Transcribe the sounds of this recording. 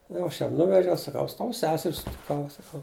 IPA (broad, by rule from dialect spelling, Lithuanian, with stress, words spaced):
jɛʊ ˈɐʃ ˈjɛm ˈnʊʋʲɛʒʲɛʊ sɐˈkɐʊ ˈɐʃ ˈtɐʊ ˈsʲæːsʲɛrʲ sʊtʲɪˈkɐʊ sɐˈkɐʊ